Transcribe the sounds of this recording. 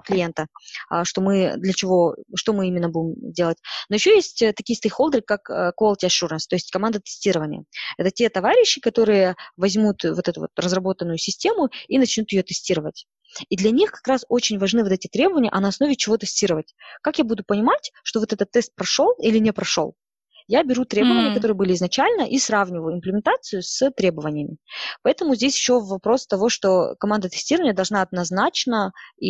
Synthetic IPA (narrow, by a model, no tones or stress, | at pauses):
klʲɪje̞nt̪ə̰ʂt̪o̞mɨd̪lʲət͡ɕɪvo̞ʂt̪o̞mɨimʲɪnːəbudʲɪmzʲdʲe̞lˠətʲno̞jɪɕːojesʲtʲət̪ɐkʲijəst̪əjxo̞lˠd̪əɾɨkːakəkolˠtʲɪɐʂuɾnst̪o̞ɪsʲtʲkɐmand̪ət̪ɨ̥sʲtʲiɾəvənʲɪ̰jə̰ɛt̪ətʲe̞t̪ɐvaɾʲɪɕːɪkɐt̪o̞ɾɨjəvɐzʲmut̪vo̞t̪ɛt̪ʊvo̰t̪rəzrɐbo̞t̪ənːʊjʊsʲɪsʲtʲe̞mʊinɐt͡ɕnʲut̪jɪjo̞t̪ɨsʲtʲiɾəvətʲ | id̪lʲɐnʲixkɐ̥kɾaso̞t͡ɕɪnʲvɐʐnɨvot̪ɛtʲɪt̪ɾʲe̞bəvənʲɪjə̰ʔɐnɐːsno̞vʲɪt͡ɕɪvo̞t̪ɨsʲtʲiɾəvətʲkakjabud̪ʊpənʲɪmatʲʂt̪ovo̞t̪ɛt̪ət̪ːɛst̪̚pɾɐʂo̞lˠilʲɪnʲɪpɾɐʂo̰lˠ | jabʲɪɾut̪ɾʲe̞bəvənʲɪəkɐt̪o̞ɾɨəbɨlʲɪɪznɐt͡ɕælʲnəʔisravnʲɪvəjʊɪnmplʲɪmʲɪnt̪at̪sɨjʊsət̪ɾʲe̞bəvənʲɪjəmʲɪpɐɛt̪əmʊzʲdʲesʲjɪɕːovɐpɾo̞st̪ɐvo̞ʂt̪o̞kɐmand̪ət̪ɨ̥sʲtʲiɾəvənʲɪjəd̪ɐlˠʐnaɐd̪̚nɐznat͡ɕnəi